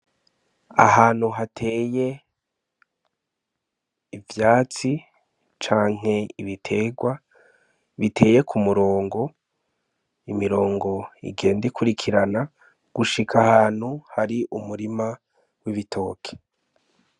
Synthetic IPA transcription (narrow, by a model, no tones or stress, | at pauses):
a̰ɦaːn̥huɦatʰe̞ːje̞ | vjaːt͡si | t͡ʃaːŋ̥e̞iβitʰe̞ːɡwa | βitʰe̞ːje̞kʰumuɾo̞ːŋɡo̞ | imiɾo̞ːŋɡo̞ḭɡe̞ːndikʰuɾikʰiɾana | ɡ̥uʃikʰahaːn̥huhaɾiʔumuɾima | wiβitʰo̞ːkʰe̥